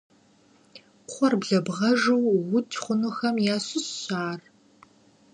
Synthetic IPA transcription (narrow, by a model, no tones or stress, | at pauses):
χʷɔrbɮɐbʁɐʒuwwʊtʰχʷʊnuxɐmjaːɕɨsɕaːr